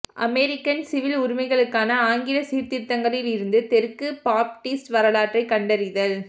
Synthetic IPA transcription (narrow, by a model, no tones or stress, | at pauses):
ʔɐ̰mɛɾɪkːɐnsɪʋɪlʊɾɪmɐɪɣɐɭɯkːaːnɐaːŋɡɪlɐsiːɾt̪ɪɾt̪ːɐŋɡɐɭɪlɪɾɯnd̪ɯt̪ɛɾɯkːɯpaːp̚ʈiːsʈʋɐɾɐlaːʈrɐɪkːɐɳɖɐɾɪðɐl